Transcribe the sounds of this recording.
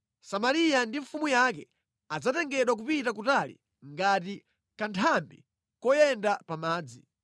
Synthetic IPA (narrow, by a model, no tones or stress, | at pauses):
samaɾijandiɱfumujakɛ | ad͡zatɛŋɡɛɗwak̬upitak̬utalḭ | ŋɡati | kantʰambḭ | kɔjɛndapamaːd͡zi